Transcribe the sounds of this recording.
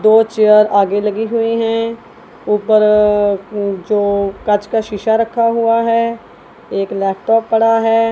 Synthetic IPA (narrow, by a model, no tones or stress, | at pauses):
d̪oːt͡ʃeːjəɾaːɡelɐɡiɦʊiɦɛ̃ | uːpəɾ | d͡ʒoːkɐt͡ʃkaʃɪʃaɾɐkʰːaɦʊaɦɛː | eːklɛːp̚ʈɔːpːɐɽaɦɛː